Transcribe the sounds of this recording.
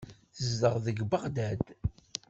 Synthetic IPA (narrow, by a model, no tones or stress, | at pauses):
θəzd̪əʁðəɡbəʁd̪æd̪